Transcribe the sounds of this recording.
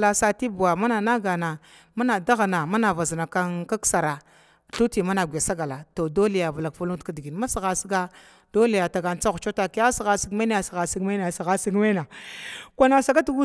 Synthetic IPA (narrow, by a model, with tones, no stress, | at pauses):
la˨sa˦ti˦bu˨wa˨ma˦na˨na˦ɡa˨na˨ | ma˦na˨da˦ɣa˨na˨ma˦na˨va˨zi˨na˨ka˦nka˦ksa˨ɾa˨ | ɬu˦ti˨ma˦na˨ɡʷe˨sa˦ɡa˨la˨to˨do˦li˨ja˨va˨la˨kfu˦lu˦tka˨di˨ɡi˨nma˦si˨ɣa˨si˦ɡa˦ | d̥o˦le˨ja˨ta˨ɡa˨n˦t͡sa˦ɣu˨t͡ʃo˦ta˨ki˦a˦si˨ɣa˨si˦ɡma˦a˦ja˨si˨ɣa˨si˦ɡma˦n˦˨si˨ɣa˨si˦ɡma˦na˨kʷa˦na˨sa˨ɡa˦tɡu˦